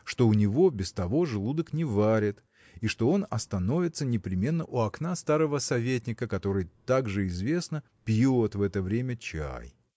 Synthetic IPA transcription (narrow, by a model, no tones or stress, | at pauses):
ʂt̪o̞ʊnʲɪvo̞bʲɪst̪ɐvo̞ʐɨlˠud̪əknʲɪvaɾʲɪt̪ | iʂt̪o̞o̞nɐ̰st̪ɐno̞vʲɪt̪sənʲɪpɾʲɪmʲe̞nːəʔuɐknast̪aɾəvəsɐvʲet̬ʲnʲɪkəkɐt̪o̞ɾɨjt̪aɡʐɨɪzvʲe̞snə | pʲjot̪vɛt̪əvɾʲemʲət͡ɕa̰j